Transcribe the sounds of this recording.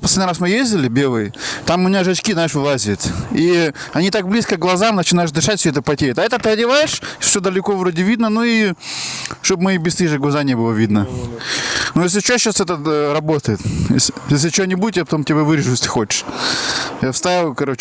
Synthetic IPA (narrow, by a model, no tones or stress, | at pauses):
pɐslʲedʲnəɪɾasmɨjezʲdʲɪlʲɪbʲelˠɨjɪt̪amʊmɪnʲaʐɐt͡ɕkʲiznaɪʂvɨlˠazʲɪjʊt̪i | ɐnʲit̪ak̚blʲiskəɡlˠɐzamnət͡ɕɪnaɪʂd̪ɨʂatʲsʲoɛt̪əpɐtʲeɾɪt̪ɐɛt̪ət̪əədʲɪvajɪʂfsʲod̪əlʲɪkovɾodʲɪvʲid̪nənui | ʂt̪obmɨbʲɪst̪iʐɨɡlˠɐzanʲebɨlˠəvʲid̪nə | nujes̬ʲlʲɪt͡ɕoɕasɛt̪əɾɐbot̪əjɪt̪jḛsjes̬ʲlʲɪt͡ɕɪonʲɪbudʲɪt̪japɐ̥t̪o̞mtʲɪbʲavɨɾʲɪʐʊjesʲt̪ɨ̥xo̞t͡ɕɪ̥ʂ | jafst̪avʲɪlˠkɐɾo̞t͡ɕɪ